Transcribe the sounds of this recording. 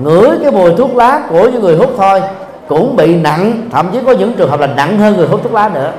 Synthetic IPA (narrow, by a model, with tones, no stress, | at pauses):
ŋɨ̰˧˩˥əjkaː˨˦jmu˨˩əjt̪ʰu˦˥ət̚laː˨˦ku˧˩əɲɨ˨˧˦ŋɨ˨˩əjɦu˦˥p̚t̪ʰo˧j | kʊ̰˧˥ŋ͡mɓḭ˧˨na̰˧˨ŋt̪ʰə̰˧˨mt͡ɕi˨˦kɔ˨˦ɲɨ̰˧˥ŋkt͡ɕɨ˨˩ŋɦə˨˩p̚laː˨˩na̰˧˨ŋhəː˧nŋ˨˩jɦu˦˥t̪̚u˦˥laː˨˦nɨ̰˧˥ə